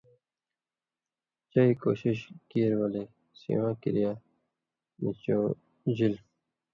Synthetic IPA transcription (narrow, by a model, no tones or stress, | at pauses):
t͡ɕaiːko̰ːɕiɕkiɾwaleː | sḭwãːkiɾijaː | mit͡ɕõː | d͡ʑil